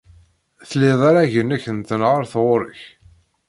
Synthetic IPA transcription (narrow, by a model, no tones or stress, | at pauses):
θlːɪðˤaɾaʝənːæçənt̪ənʁəɾθʁʊɾəç